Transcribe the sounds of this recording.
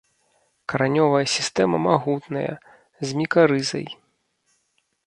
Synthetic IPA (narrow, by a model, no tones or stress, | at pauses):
kɐɾanʲɔvɐjɐsʲist̪ɛmɐmaɣut̪nɐjɐ̰ | zʲmʲikaɾɨzɐ̰j